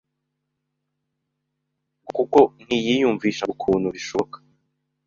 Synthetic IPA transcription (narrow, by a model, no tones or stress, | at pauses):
kuko̞nijijuɱviːʃaukʰuːnuɾiʃokḁ